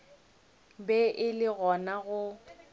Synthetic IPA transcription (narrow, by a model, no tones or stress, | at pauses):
bɛʔɪlɪɣɔnaɣʊ